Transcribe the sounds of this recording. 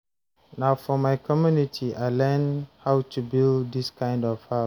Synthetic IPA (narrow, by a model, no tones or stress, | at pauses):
naʊfɔmaɪkɔmjunitʰiʔaɪlɛ̃nhawtʰubilddiskãɪ̃ndɔv̥ha